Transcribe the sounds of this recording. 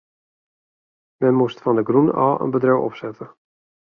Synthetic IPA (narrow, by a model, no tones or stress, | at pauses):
mɛnmustfɔndəɡruna̰ːə̰nbədrøwɔ̰psɛtʰə